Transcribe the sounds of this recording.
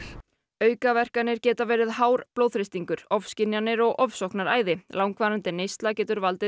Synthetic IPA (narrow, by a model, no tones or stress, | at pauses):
œːɥkavɛr̥kanɪɾ̥cɛːt̪avɛːɾɪðhaːwɾploːwðfɾɪst̪iŋkʏɾ̥ɔfscɪnjanːɪɾɔɣʔɔfsɔwhknaɾaːjðɪlaːwŋkvaːɾant̪ɪneːjst̪lacɛːt̪ʏɾvalt̪ɪ